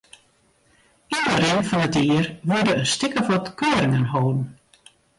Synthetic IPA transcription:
idəɾɪnfɔnətiərʋødəəstɪkəfɔtkʰøːɾɪŋənɦoːdn̩

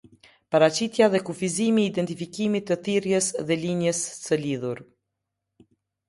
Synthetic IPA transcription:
paɾat͡ɕit̪jaðɛkufizimiːd̪ɛnt̪ifikimit̪ːəθiɾjəsðɛliɲəssəliðuɾ

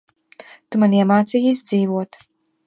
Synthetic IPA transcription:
t̪umaniɛmaːt̪sijizd̪ziːvuɔt̪

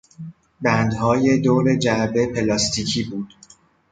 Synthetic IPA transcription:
bænd̪hɒːje̞d̪oːɾe̞d͡ʒæɾbe̞pʰe̞lɒːst̪ʰiːcʰiːbuːd̪̥

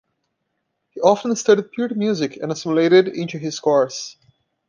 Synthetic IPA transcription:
hiʔɑfə̃nstʌɾid̚pʰjuɹdmjuzɪkʰɛ̃nəsɪ̃məleɪɾɪdɪ̃ntuɪz̥skɔɹs

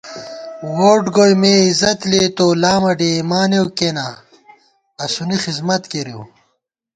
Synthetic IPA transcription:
woːʈɡojmeizɐt̪leːt̪oːlaːmɐɖeːmaːnewkena | ɐsunixizmɐt̪keɾiw

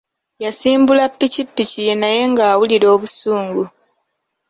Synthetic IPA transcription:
jasiːmbulapːicipːicijenaje̞ŋɡaːwuliɾo̞ːβusuːŋɡu

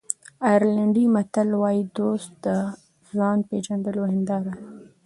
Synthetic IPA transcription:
ɑjɾlaɳɖimat̪alwɑjid̪ost̪̚d̪ə | zɑnped͡ʒand̪əlohɪnd̪ɑɾa

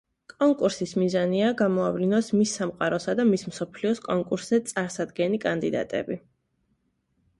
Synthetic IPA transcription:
kʼɔŋkʼuɾsismizaniaɡamɔavlinɔsmisːamqʼaɾɔsad̪amismsɔpʰliɔskʼɔŋkʼuɾszɛt̪sʼaɾsad̪ɡɛnikʼand̪id̪a̰t̪ʼɛ̰bi

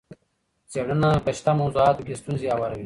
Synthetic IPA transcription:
t͡seɽənapəʃt̪amɐwzuaːt̪okest̪unziawɐɾɐwi

